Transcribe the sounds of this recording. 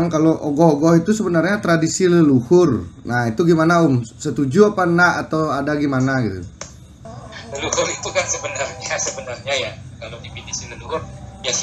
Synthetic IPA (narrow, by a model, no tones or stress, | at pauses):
ŋkaloʔoɡɔɦoɡɔhit̪usəbənarɲat̪ɾadisiləluhʊrnahit̪uɡimanaumsət̪ud͡ʒuapanaat̪awadaɡimanaɡit̪ṵ | əluhʊɾit̪ukansəbənarɲasəbənarɲajakaladipidisiləluɦʊrjas